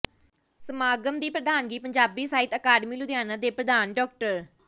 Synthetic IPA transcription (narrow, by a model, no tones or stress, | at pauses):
səmaːɡəmd̪iːpɾəd̪aːnɡiːpəɲd͡ʒaːbiːsaːɪt̪əːkaːɖmiːlʊd̪jaːnãːd̪eːpɾəd̪aːnɖɔːk̚ʈəɾ